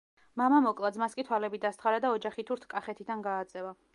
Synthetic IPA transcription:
mamamɔkʼlˠad̪zmaskʼit̪ʰwalɛbid̪ast̪ʰχaɾad̪aɔd͡ʒaχit̪ʰuɾt̪ʰkʼaχɛt̪ʰid̪anɡaːt̪sʼɛva

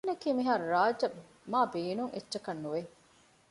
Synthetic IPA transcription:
nɐkiːmiɦɐɾɾaːd͡ʒɐ | maːbeːnuŋʔḛtːt͡ʃːɐkɐnːuʋe

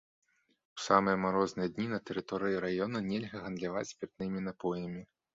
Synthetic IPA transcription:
u̥samɨjɐmaɾɔznɨjɛd̪ʲnʲinɐt̪ɛɾɨt̪ɔɾɨjiɾajɔnɐnʲɛlʲɣɐɣɐnd̪lʲavat͡sʲpʲɛt̪̚nɨmʲinapɔjɐmʲi

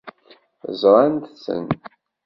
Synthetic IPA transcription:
zɾˤɑnt̪sə̰n

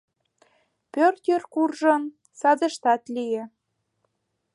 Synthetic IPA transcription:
pørt̪ʲørkurʒɤ̆n | sɑd̪ə̆ʃt̪ɑt̪lijĕ

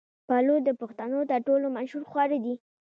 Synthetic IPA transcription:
palod̪əpʊxt̪anot̪əɾʈolomanʃuɾxwɑɾed̪i

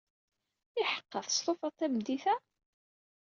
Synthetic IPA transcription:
ɪħə̥qːəθst̪ˤofɑt̪ˤːæmd̪iθæ

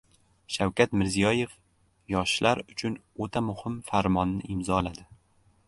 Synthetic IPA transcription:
ʃawkʲʰat̪mɪɾzijɒje̞f | jɒʃlʔaɾʊt͡ʃʰʊn | ot̪ʰamʊhɪmfaɾmɒnːɪʔɪmzɒlad̪ɪ

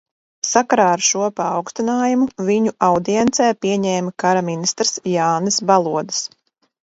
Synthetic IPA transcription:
sakaɾaːaɾʃuɔpaːwkst̪inaːjumuviɲuʔawd̪iɛnt̪sɛːpiɛɲɛːmakaɾaminist̪ɾsjaːnɨsbalˠuɔd̪ɨ̥s

